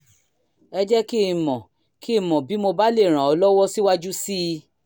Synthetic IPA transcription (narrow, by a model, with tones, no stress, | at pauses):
ɛ˧d͡ʒɛ˦ki˦˨mɔ̃˨ | ki˦˨mɔ̃˨bi˨˦mo˧ba˦le˦˨ɾ̃ã˨ɔ˧lɔ˦wɔ˦si˦wa˦d͡ʒu˦si˦˧